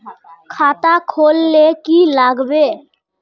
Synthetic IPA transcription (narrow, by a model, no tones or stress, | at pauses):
kʰat̪akʰolːekilaɡbe